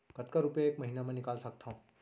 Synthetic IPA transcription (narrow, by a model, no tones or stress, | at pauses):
kət̪kaɾupjaeːkmɐɦinamẽnɪkaːlsɐk̚t̪ʰaũ